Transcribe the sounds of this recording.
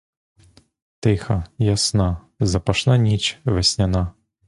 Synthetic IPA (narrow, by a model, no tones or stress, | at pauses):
t̪ɛxɐjasna | zɐpaʂnanʲit͡ʃvɛsʲnʲana